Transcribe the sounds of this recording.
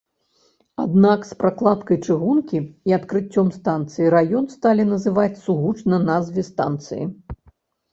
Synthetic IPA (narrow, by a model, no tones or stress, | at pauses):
ad̪nakspɾaklˠat̪kɐjt͡ʂɨɣunkʲiiɐt̪kɾɨt͡sʲːɔmst̪ant̪sɨjiɾajɔnst̪alʲinɐzɨvat͡sʲsuɣut͡ʂnɐnazvʲɛst̪a̰nt̪sɨ̰jḭ